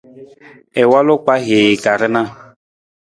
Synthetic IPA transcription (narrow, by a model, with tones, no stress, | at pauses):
ɛ˨wa˦lʊ˦ka˦ɦe˨jka˨ɾɪ˦na˦